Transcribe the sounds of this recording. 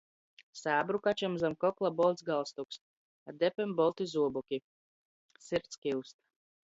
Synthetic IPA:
saːbɾukat͡ʃamzamkɔklˠabɔlʲˠt̪sɡalˠst̪uks | ad̪ɛpʲɛmbɔlˠt̪izuɔbɔkʲi | siɾt̪skiwst̪

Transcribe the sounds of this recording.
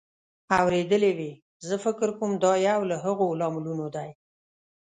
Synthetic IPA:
awɾed̪əlewe | zəfɪkɾkomd̪ɑjawlaɦəɣolɑmʊlunod̪aj

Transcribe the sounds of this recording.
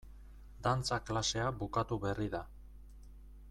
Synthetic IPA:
d̪ant͡saklase̞aβukat̪uβe̞riða

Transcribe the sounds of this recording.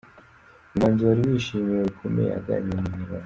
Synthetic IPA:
manzoɾiβiʃimiɾekʰumḛja̰ɡa̰ɲemimiɾa

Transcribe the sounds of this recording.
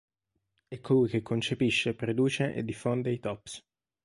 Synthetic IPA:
ɛkʰːolujk̟ekʰːont͡ʃepiʃːepɾed̪uːt͡ʃeʔḛd̪ːifond̪eit̪ɔpːs

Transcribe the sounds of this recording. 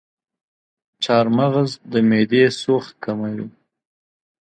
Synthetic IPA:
t͡ʃɑːɾmaɣzd̪əmed̪esoχt̪̚kamawi

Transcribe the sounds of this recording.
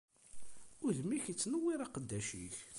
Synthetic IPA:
ʊðmiçit͡sːnəwːiɾˤɑqəd̪ːæʃḭç

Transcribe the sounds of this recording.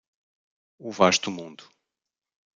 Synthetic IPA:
uvaʃt̪umũnd̪u

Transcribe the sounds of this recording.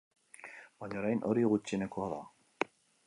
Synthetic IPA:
baɲoɾajnʔoɾiɣut͡ʃinekoaða

